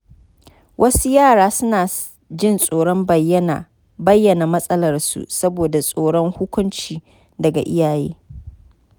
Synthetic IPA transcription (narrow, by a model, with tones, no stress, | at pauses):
wʔɐ˦su˦jaː˦˨ɽaː˦sʊ˦naː˨ | d͡ʒɪ˦nsʼoː˨ɽɔ˦mbɐ˨jɐ˦na˨ | bɐ˦jːɐ˨na˨mɐ˦sʼɐ˦lɐ˨rsṵ˨sɐ˦boː˨da˨sʼoː˨ɽɔ˦ŋhʊ˦kʷʊ˦nt͡ʃiː˨ | dɐ˨ɡa̰˨ʔɪ˦jaː˨jḛː˦